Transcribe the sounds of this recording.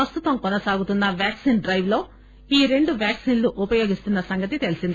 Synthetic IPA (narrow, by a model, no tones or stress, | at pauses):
ɐst̪ut̪ɐmkɔnɐsaːɡut̪unːɐʋjaːksiːnɖɾɐjʋlo̞ː | iːɾe̞ɳɖuʋjaːksiːnluʔupɐjo̞ːɡist̪unːɐsɐŋɡɐt̪it̪e̞lisind̪i